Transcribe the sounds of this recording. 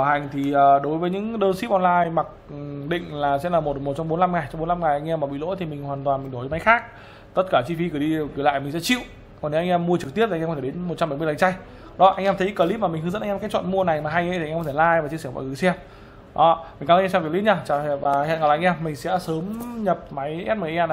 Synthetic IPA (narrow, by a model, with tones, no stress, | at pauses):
a˧˩ɦa˨˩jŋ̟t̪ʰi˨˩ʔəː˨˩ɗo˨˦jvəː˨˦jɲɨ̰˧˥ŋɗəː˧nsi˦˥ʔɔ˧nlaː˧jma˨˩k̚ɗḭ̈˧˨ŋ̟laː˨˩sɛ̰˧˥laː˨˩mo˨˩t̚mo˨˩t̚t͡ɕɔ˧wŋ͡mɓo˨˦nla˧mŋa˨˩jt͡ɕɔ˧ŋ͡mɓo˨˦nla˧mŋa˨˩jʔa˧ŋ̟ʔɛ˧mːaː˨˩ɓḭ˧˨lo̰˧˥jt̪ʰi˨˩mï˨˩ŋ̟hwaː˨˩nt̪waː˨˩nmï̟˨˩ɗo˧˩˨ma˨˦jxaː˦˥k̚ | t̪ə˦˥t̚kaː˧˩t͡ɕi˧fi˨˦kɨ˧˩ɗi˧˨˩kːla̰ː˧˨jmï˨˩ŋ̟sɛ̰˧˥t͡ɕḭ˧˨w | kɔ˨˩ne˨˦ʔa˧ŋ̟ʔɛ˧mːu˧ət͡ɕɨ˨˩k̚t̪i˦˥p̚t̪ʰːt̪ʰe˩˨e˨˦nmo˨˩t̚t͡ɕa˧mɓə˧˩jmɨ˧la̰˨˩t͡ɕa˧j | ɗɔ˨˦ʔa˧jŋ̟ʔɛ˧mt̪ʰə˨˦kə˧˩li˦˥p̚maː˨˩ï˨˩ŋ̟ɦɨ˨˦zə˧˥nʔŋː˧kaː˨˦jt͡ɕwə̰˧˨nmu˧əna˨˩jmaː˨˩ɦa˧jʔt̪ʰːkɔ˧˦t̪ʰlaː˧jva˨˩t͡ɕi˧sɛ˧˩ɓɔ̰˧˨ŋɨ˨˩sɛ˧m | ɗɔ˨˦mi˨˩ŋ̟ka˨˧˦sɛ˧vi˨˩klḭ˧˦˥ɲaː˧˩t͡ɕaː˨˩˨vaː˨˩hḭ˧˨nŋɔ˨˩˨ŋ̟ʔɛ˧mːï˨˩ŋ̟sɛ̰˧˥səː˨˦mɲə˨˩p̚ma˨˦jʔɛ˦˥t̚məː˨˩ʔʔɛ˧